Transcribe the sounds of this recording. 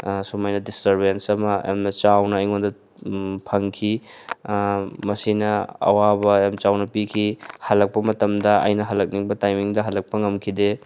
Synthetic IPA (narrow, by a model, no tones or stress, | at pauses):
sumajnɐdistɐɾbensɐmɐa̰mnɐt͡ʃawnɐːjŋondɐ | pʰɐŋkʰi | mɐsinɐɐ̰wabɐemt͡ʃawnɐpikʰihɐlɐk̚pɐmɐtɐmdɐɐ̰jnɐɦɐlɐk̚niŋbɐtajmiŋdɐɦɐlɐk̚pɐŋɐmkʰide